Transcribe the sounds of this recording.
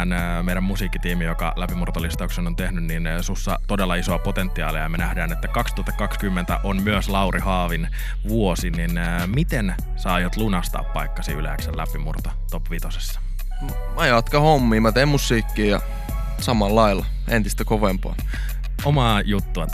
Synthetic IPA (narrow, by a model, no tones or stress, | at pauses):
nː | meiɾæmːusiːkːit̪iːmijokɑ̰læpimurt̪olist̪ɑuksenont̪ehnynnin | susːɑ̰t̪odelːɑisoɑpot̪ent̪ːiɑ̰ːliɑjɑmenæhdæːnet̪ːækɑkst̪uhɑt̪ːɑkɑkskymːent̪æʔonmyøslɑwɾʔihɑːʋin | ʋuosinin | mit̪en | sɑːjot̪lunɑst̪ɑ̰ːppɑikːɑsiylḛæksellæpimurt̪ot̪opʋit̪osesːɑ̥ | n | mɑjɑt̪kɑhomːiːmɑt̪eimmusːiːkːiːjɑ̰ | sɑmɑlːɑil | ent̪ist̪ækoʋempɑ̰ː | omɑːjut̪ːuɑ